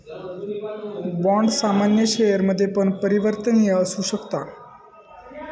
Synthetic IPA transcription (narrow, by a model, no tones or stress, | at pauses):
bɔɳɖsamanjəɕejəɾməd̪ʱːjepəɳpəɾiʋəɾt̪ənijəːsuːɕəkt̪a